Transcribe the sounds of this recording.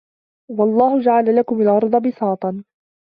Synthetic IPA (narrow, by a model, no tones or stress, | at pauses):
wɑlˤːɑːhʊd͡ʒaʕalalakʊmalʔɑɾˤd̪ˤɑbɪsɑːt̪ˤɑn